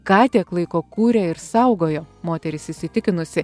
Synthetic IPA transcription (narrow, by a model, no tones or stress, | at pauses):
kɑːt̪ʲiɛklˠɐɪkoːkuːɾʲɛɪɾsɐʊɡoːjoːmoːt̪ʲɛɾʲɪsɪsʲɪt̪ʲɪkʲɪnʊsʲɪ